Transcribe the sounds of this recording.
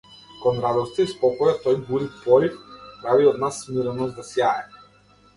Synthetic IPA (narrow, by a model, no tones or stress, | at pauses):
kɔnɾad̪ɔɾst̪ɛispɔkɔjat̪ɔjbuɾitpɔɾifpɾaviɔd̪nasmiɾnɔzd̪asjaɛ